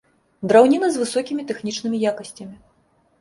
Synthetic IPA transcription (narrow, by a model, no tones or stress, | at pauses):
d̪ɾawnʲinɐzʲvɨsɔkʲimʲit̪ɛxnʲit͡ʂnɨmʲijakɐsʲt͡sʲɐmʲi